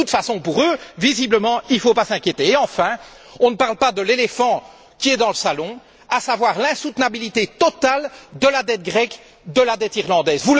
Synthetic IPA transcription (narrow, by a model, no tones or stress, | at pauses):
ut̪fasɔ̃puʁøvizibləmɑ̃ilfopasɛ̃kʲjet̪eːɑ̃fɛ̃ | ɔ̃nəpaʁlpad̪əlelefɑ̃ | kʲiɛd̪ɑ̃ləsalɔ̃ | asavwaːʁlɛ̃sut̪nabilit̪et̪ɔt̪ald̪əlad̪ɛt̪̚ɡʁɛk | d̪əlad̪ɛt̪iʁlɑ̃d̪ɛːzvu